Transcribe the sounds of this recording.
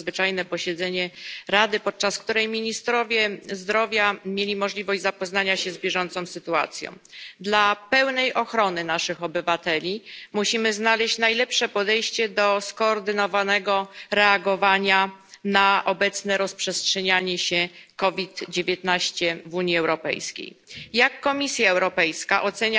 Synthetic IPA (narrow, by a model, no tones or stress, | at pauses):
zvɘt͡ʂajnɛpɔɕɛd̪zɛɲɛɾad̪ɘpɔt̪̚t͡ʂaskt̪uɾɛjmʲiɲist̪ɾɔvʲjɛzd̪ɾɔvʲjamʲjelʲimɔʐlʲivɔʑd͡ʑʲzapɔznaɲaɕɛzbʲjɛʐɔnt̪sɔ̃w̃sɘt̪ua̰t̪sʲjɔ̰̃w̃d̪lapɛwnɛjʔɔxɾɔnɘnaʂɘxɔbɘvat̪ɛlʲimuɕimɘznalɛɕt͡ɕnajlɛpʂɛpɔd̪ɛjɕt͡ɕɛd̪ɔskɔːɾd̪ɘnɔvanɛɡɔɾɛaɡɔvaɲanaʔɔbɛt̪snɛɾɔspʂɛstʂɛɲaɲɛɕɛkɔvʲit̪d͡ʑevʲjet̪naɕt͡ɕɛvuɲiɛwɾɔpɛ̰jskʲḛjjakːɔmʲisʲjaɛwɾɔpɛjskaʔɔt̪sɛɲa